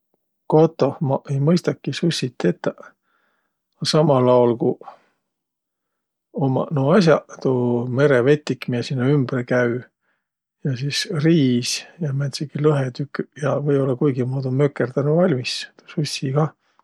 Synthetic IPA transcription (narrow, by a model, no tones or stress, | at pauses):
ko̞t̪ːˑo̞mɑejmɤjst̪ɑkːisusʲit̪ːe̞t̪ːˑɑ | sɑmɑlɑolku | omɑ̰noɑs̬ʲjɑt̪ome̞ɾeve̞t̪ʲːikːmiesinːoymbrekæy | jɑsisriːsjɑmænt̪sekilɤɦet̪ykːyjɑvɤjo̞lːɑkujɡimuːd̪umø̞kːˑert̪ænuvɑlʲmist̪osusʲːiɡ̥ɑ